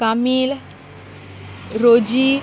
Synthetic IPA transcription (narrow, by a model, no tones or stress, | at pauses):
kamiːl | ɾod͡ʒi